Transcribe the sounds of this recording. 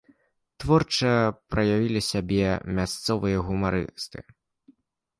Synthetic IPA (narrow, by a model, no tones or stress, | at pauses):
t̪vɔrt͡ʂɐpɾɐjavʲilʲisʲabʲɛmʲast̪sɔvɨjɐɣumaɾɨ̰st̪ɨ̰